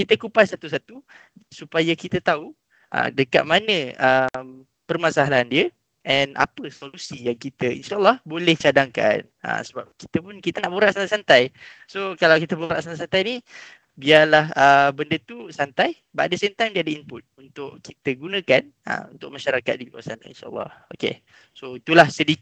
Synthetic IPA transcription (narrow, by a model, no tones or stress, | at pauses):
kit̪əkupasat̪usat̪u | supajakit̪ət̪au | ʔə̰dəka̰t̪̚manə̃əm | pərmasaɦalaːndiə | ʔɛnʔa̰pəsolusijaŋkit̪əḭnʃaʔlːɑhbolɛht͡ʃadaŋka̰n | ə̰səba̰p̚ki̥t̪əpʊnkit̪ənaʔboɾaʔsant̪asant̪aj | sokalawkit̪əbuɾa̰ʔsanasant̪ajni | biarlahəbəndət̪usant̪aj | ba̰ʔ̚dəsemt̪ajmdiəadəimpʊt̪̚unt̪ʊʔkit̪əɡunə̃kan | ə̰unt̪ʊk̚maʃaɾaka̰t̪̚dilua̰san̰ḭnʃa̰ə̰lˠːɑ̰hokḛ | soit̪ulahsədi